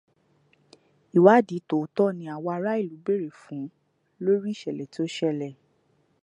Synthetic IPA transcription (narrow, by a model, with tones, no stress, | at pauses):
i˨wa˨˦˨di˨˦to˨tɔ˦˨nĩ˧a˨wɔ˧a˧ɾa˦i˦˨lu˨˦be˦˨ɾe˨fũ˨˦ | lo˦ɾi˦˨ʃɛ˨lɛ˨ti˨˦o˦ʃɛ˦lɛ˦˨